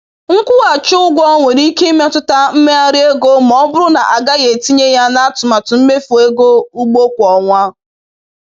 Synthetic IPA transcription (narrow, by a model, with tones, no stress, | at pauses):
ŋ̩˦kʷʊ˦ɣa˨t͡ʃʊ˦ʊ˦ɡʷɔ˦ŋʷe˨ɾi˦ke˦i˦me˦tʊ˦ta˦m̩˦me˦a˦ɾɪ˦e˦ɡo˦m̩˨ɔ˦bʊ˦ɾʊ˦na˨ʔa˨ɡa˦ɣe˨ti˦ɲe˦ja˦na˦a˦tʊ˨ma˨tʊ˨m̩˦me˦fu˨e˦ɡo˦u˦ɡ͡bo˦kʷɔ˨ŋʷa˦